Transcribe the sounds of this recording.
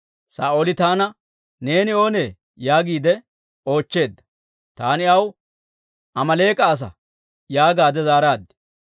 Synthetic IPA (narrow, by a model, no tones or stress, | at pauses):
sa̰ːʔoːlɪt̪aːnɐ | ne̞ːnɪo̞ːne̞ː | jaːɡiːd̪ɛ | o̞ːt͡ʃːe̞ːd̪ːɐ̥ | t̪aːnɪɐw | ʔɐmɐle̞ːkʼɐːs̬ɐ̰ | jaːɡaːd̪ɛzaːɾaːd̪ːɛ̥